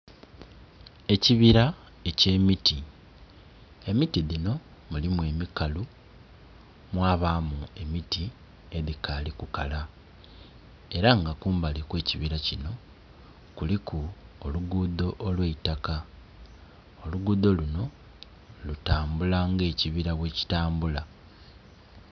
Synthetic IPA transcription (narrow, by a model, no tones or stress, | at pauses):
e̞ciβiɾa | e̞ce̞ːmiti | e̞mitiðino̞ | mulimwe̞mikalu | mwaːβaːmue̞miti | e̞ðikalikukala | e̞ɾaŋɡakuːmbalikwe̞ːciβiɾacino̞ | kulikuoluɡuːdo̞ʔolwe̞itaka | o̞luɡuːd̪o̞luno̞ | lutaːmbulaŋɡe̞ːciβiɾaβwe̞ːci̥taːmbula